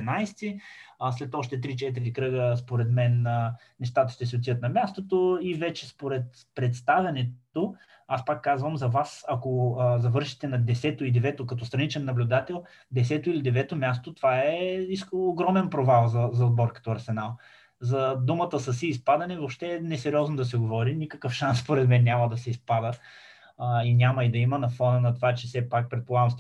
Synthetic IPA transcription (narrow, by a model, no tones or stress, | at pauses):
najst̪islɛt̪ɔʃt̪ɛt̪ɾit͡ʃɛt̪̬əɾikɾɤɡəspoɾɛt̪mɛnəː | ɛʃt̪at̪ə̥ʃt̪ɛs̬ɛot̪iət̪nɐmʲjast̪ot̪oivɛt͡ʃɛspoɾɛt̪ | pɾɛt̪st̪avʲɐnɛt̪o | aspakːazvəmzɐvasɐkozɐvɤɾʃi̥t̪ɛnɐd̪ɛsɛt̪oid̪ɛvɛt̪okɐt̪ɔst̪ɾɐnit͡ʃɛnːɐblʲʊd̪at̪ɛlˠ | d̪ɛsɛt̪oilid̪ɛvɛt̪omʲjast̪ot̪ov̥aɛiskoɡɾɔmɛnpɾovalˠzɐzɐod̪̚bɔɾkə̥t̪oɐɾsɛnalˠ | zɐd̪umət̪əsəsiːspad̪ɐnɛvopʃt̪ɛnɛsɛɾʲɔznod̪ɐsɛɡovɔɾinʲikəkəfʃansspoɾɛd̪mɛnːʲamɐd̪ɐsɛispad̪ə | inʲamɐid̪ɐimənɐfɔnənɐt̪ovat͡ʃɛfsɛpak̚pɾɛt̪̚polˠaɡəmst̪